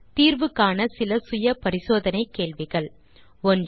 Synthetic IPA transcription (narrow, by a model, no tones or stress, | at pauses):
t̪iːɾʋɯkːaːnɐsɪlɐsʊjɐpɐɾɪsoːðɐnɐɪkːeːɭʋɪɣɐɭ | ɔn